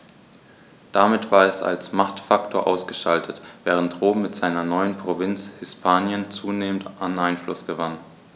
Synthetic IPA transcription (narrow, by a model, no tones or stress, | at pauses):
d̥amɪtv̥aːɐɛsa̰lsmaχtfaktʰoːɐʔaʊsɡ̥əʃaltʰətv̥ɛːʁ̞əntʁoːm̩mɪtz̥aɪnɐnɔʏənpʁ̥ovɪnt͡shɪspʰaːnjənt͡suːneːməntʔanʔaɪnflʊ̰sɡ̥əvan